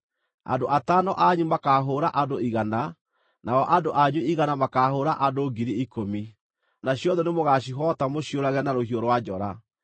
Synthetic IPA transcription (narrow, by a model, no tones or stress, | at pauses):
a̰ndoʔatanɔʔaɲumakaɦoːɾaʔandoiɣana | naɔʔandoʔaɲwuiɣanamakahoːɾaʔadoɡiɾiikomi | naɕjɔðɔnemoɣaɕ̬iɦɔtamoɕioɾaɣɛnaɾohioɾwad͡ʒɔɾa